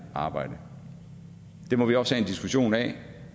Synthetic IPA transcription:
ɑ̈ːb̥ɑ̈ɪ̰d̥ə | d̥e̝mɒ̽ʋiɒ̽shɛend̥isɡ̥uɕo̝̰ːnɛ̰ː

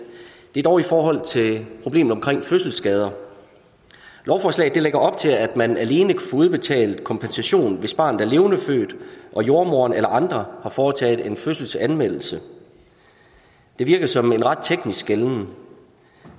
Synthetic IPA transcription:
d̥e̝d̥ɒʊifɒːɦɒ̽l̰t͡sʰe̝lpʰʁo̝b̥e̝̰ːm̩ˠɒ̽mkʰʁeŋ̰føsl̩sɡ̥ɛːð̞ˠɐ | lɒʊfɒːslɛ̰ːɪðˠd̥e̝leɡ̥ɐɒ̽b̥̚t͡sʰe̝læd̥mænæle̝ːnəkʰæ̥fɔ̽ːuð̞ˠb̥e̝t͡sʰɛ̰ːlð̩ˠkʰɒ̽mpʰensæɕo̝̰ːnʋe̝sb̥ɑ̈ːnd̩̥æɐle̝ːʊnəfø̰ːd̥ʔɒ̽jo̝ɐmo̝ːɐnelɐʔɑ̈nd̥ʁɐhɑ̈fɒːt͡sʰɛ̰ːð̞̩ˠe̝nføsl̩sænmel̰l̩sə | d̥e̝ʋiɐɡ̥ɐsɒ̽me̝nʁɑ̈d̥̚t͡sʰeɡ̥nisɡ̥eln

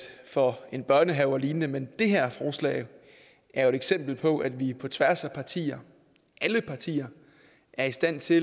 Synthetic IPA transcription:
fɒ̽e̝nb̥ɶɐnəɦɛʊɐliːnnəmend̥e̝ɦæɐ̰fɒːslɛ̰ːɪ | ʔæɐjoeɾeɡ̥sem̰b̥l̩pʰɒ̽ʔæd̥ʋipʰɒ̽t͡sʰʋæɐ̰sæpʰɑ̈t͡sʰḭːɐ | ʔæləpʰɑ̈t͡sʰḭːɐ | ʔæɐisd̥æn̰t͡sʰe̝

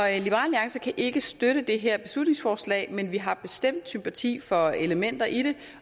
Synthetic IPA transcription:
lib̥əʁɑ̰̈ːliɑ̈ŋsɐkʰæʔe̝ɡ̥əsd̥øɾəd̥e̝ɦɛɐ̰b̥e̝slud̥ne̝ŋsfɒːslɛ̰ːɪmenʋiɦɑ̈b̥e̝sd̥em̰d̥sympʰæt͡sʰḭːfɒ̽e̝ləmen̰d̥ɐʔiɾ̥e̝

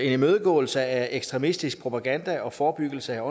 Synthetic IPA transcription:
e̝nmøːðˠəɡ̥ɔ̰̽ːl̩səæeɡ̥sd̥ʁɛmisd̥isɡ̥̚pʰʁo̝pʰæ̈ɡ̥ænd̥æʔɒ̽fɒːb̥yɡ̥əl̩səæɒ̽

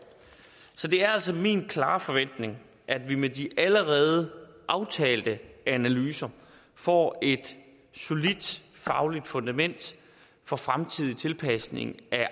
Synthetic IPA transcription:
sɒ̽d̥e̝æɐæl̰s̬ɒmḭːnkʰlɑ̰̈ːfɒ̽ʋen̰d̥ne̝ŋ | ʔæd̥ʋimediʔæləʁɛːð̞ˠəʔɑ̈ʊt͡sʰɛ̰ːld̥əænælyːsɐ | fɒ̰ːe̝d̥ | so̝lid̥fɑ̈ʊlid̥fɔ̽nd̥æmen̰d̥ | fɒ̽fʁamt͡sʰið̞̰ˠit͡sʰe̝lpʰæsne̝̰ŋæ

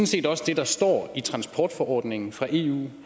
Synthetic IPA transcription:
n̩se̝̰ːd̥ɒ̽səd̥e̝d̥ɑsd̥ɒ̰ːit͡sʰʁɑ̈nspʰɒːd̥fɒʔɒ̰ːd̥ne̝ŋn̩fʁɑ̈ʔe̝̰ṵː

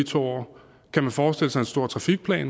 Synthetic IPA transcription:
it͡sʰo̰ | kʰæmænfɒːsd̥e̝ləsɑ̈ɪe̝nsd̥o̝ɐ̰t͡sʰʁɑ̈fiɡ̥̚pʰlɛ̰ːn

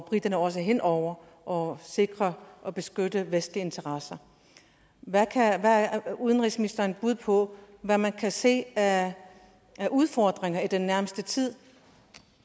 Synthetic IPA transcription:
ɒb̥ʁid̥ɐnəɒ̽s̬əɦen̰ʔɒʊ̰ɐ | ʔɒ̽se̝ɡ̥ʁɐʔɒ̽b̥e̝sɡ̥ød̥əʋesd̥lie̝nt͡sʰɐʁɑ̈sɐ | ʋækʰæʋæuðˠənʁisminisd̥ɐnb̥uð̞̰ˠpʰɒ̽ʋæmænkʰæse̝̰ːæ | æʔuð̞ˠfɒːd̥ʁeŋɐid̥enːæɐməsd̥ət͡sʰið̞̰ˠ

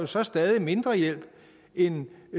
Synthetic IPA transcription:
jo̝sɒ̽sd̥ɛːð̞ˠime̝nd̥ʁɐjel̰b̥ | en

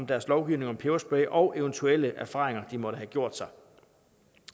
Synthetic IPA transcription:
md̥æɐslɒʊɡ̥iʊne̝ŋɒ̽mpʰeɐsb̥ɛɪʔɒ̽ʊʔe̝ʊənt͡sʰuel̰əʔæɐfɑ̈ːʁeŋɐd̥imɒ̽ɾ̥əɦæɡ̥jo̝ɐ̰d̥sɑ̈ɪ

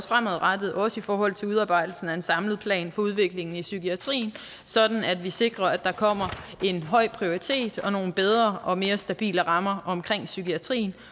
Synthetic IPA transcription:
sfʁamɒð̩̰ˠʁad̥ð̩ˠɒ̽səifɒːhɒ̽l̰t͡sʰe̝uð̞ˠɑ̈ːb̥ɑ̈ɪd̥l̩sn̩æe̝nsɑ̈mləð̞̩ˠpʰlɛ̰ːnfɒ̽uð̞ˠʋe̝ɡ̥le̝ŋn̩isyɡʰiæt͡sʰʁḭːn | sɒ̽d̥n̩æd̥ʋise̝ɡ̥ʁɐæd̥ɑ̈kʰɒ̽m̰ɐe̝nɦɒ̽ɪ̰pʰʁio̝ʁit͡sʰe̝̰ːd̥ɒ̽no̝ːn̩b̥eð̞ˠʁɐːɒ̽me̝ːɐsd̥æb̥ḭːləʁɑ̈mɐʔɒ̽mkʰʁeŋ̰syɡʰiæt͡sʰʁḭːn̩

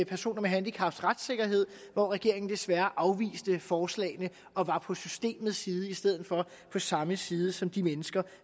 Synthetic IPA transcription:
pʰæɐso̝̰ːnɐmeɦænd̥ikʰɑ̈fd̥sʁad̥se̝ɡ̥ɐɦe̝ð̞̰ˠʋɒʁɛɡ̥e̝ɐ̰e̝ŋn̩d̥e̝sʋæɐʔɑ̈ʊʋḭːsd̥əfɒːslɛ̰ːɪnə | ʔɒ̽ʋɑ̈pʰɒ̽sysd̥e̝̰ːmð̩ˠsiːð̞ˠəisd̥eð̞̰ˠð̩ˠfɒ̽ | pʰɒ̽sɑ̈məsiːð̞ˠəsɒ̽md̥imenəsɡ̥ɐ

